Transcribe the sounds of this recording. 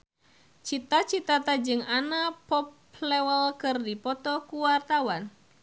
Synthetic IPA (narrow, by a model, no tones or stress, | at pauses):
t͡ʃit̪at͡ʃit̪at̪ad͡ʒɨŋanapɔp | lɛwəlkɨrdipɔt̪ɔkuwart̪awan